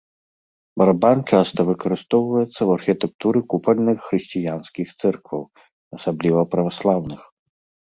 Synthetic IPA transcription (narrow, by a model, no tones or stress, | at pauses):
bɐɾabant͡ʂast̪ɐvɨkɐɾɨst̪ɔwvɐjɛt̪sːɐwɐrxʲit̪ɛk̚t̪uɾɨkupɐlʲnɨxːɾɨɕʲt͡sʲijanskʲixt̪sɛrkvɐ̰w | ɐsablʲivɐpɾɐvaslˠawnɨx